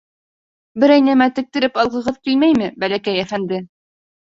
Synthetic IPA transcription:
bɘɾæjnæmæt̪ɘ̆k̚t̪ɘ̆ɾɘpɑlˠʁɤ̆ʁɤðkilmæjmɘbælækæjæfænd̪ɘ

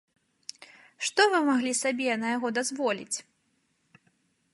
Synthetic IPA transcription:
ʂt̪ɔvɨmaɣlʲisabʲɛnɐjaɣɔd̪azvɔlʲḭt͡sʲ

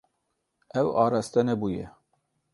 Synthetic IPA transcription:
ɛwɑːɾɑst̪ɛnɛbuːjɛ̰

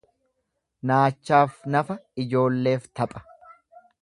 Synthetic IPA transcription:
naːt͡ʃːaːfnɐfɐɪd͡ʒo̞ːlːe̞ːft̪ɐpʼɐ̥

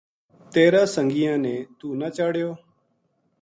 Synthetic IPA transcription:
t̪eːɾãːsəŋɡɪjãːnẽːt̪uːnaːt͡ʃaːɽjoː

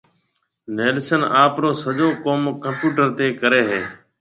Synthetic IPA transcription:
neːlsənaːpɾoːsəʄoːkoːmkəmpjuːʈəɾt̪eːkəɾeːɦeː

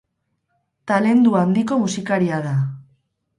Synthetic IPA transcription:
t̪ale̞nd̪uand̪iko̞musikaɾiaða

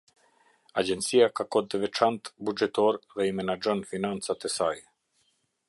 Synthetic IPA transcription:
ad͡ʑɛnt̪t͡sijakakɔd̪ɛvɛt͡ʃant̪bud͡ʒɛt̪ɔɾðɛimɛnad͡ʒɔnfinant͡sat̪ɛsaj

